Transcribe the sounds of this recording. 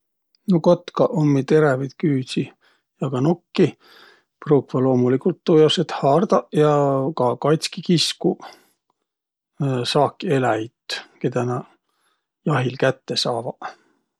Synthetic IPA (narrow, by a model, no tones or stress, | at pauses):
nokot̪ːkɑʔomːit̪e̞ɾevid̪̥kyːsi | jɑɡ̥ɑnokːi | pruːkvɑlo̞ːmulikult̪ːujoset̪hɑːrd̪̥ɑʔjɑkɑkɑjt̪skikisku | sɑːkːie̞læjt̪ked̪ænɑ | jɑɦilkæt̪ːesɑːvɑ